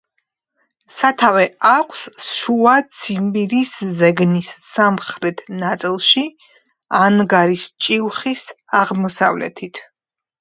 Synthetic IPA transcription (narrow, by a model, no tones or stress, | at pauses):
sat̪ʰavɛakʷʰsʃuat̪sʰimbiɾiszɛɡnisːamχɾɛt̪ʰnat̪sʼilˠʃi | anɡaɾist͡ʃʼiwχisaʁmɔsa̰vlɛ̰t̪ʰit̪ʰ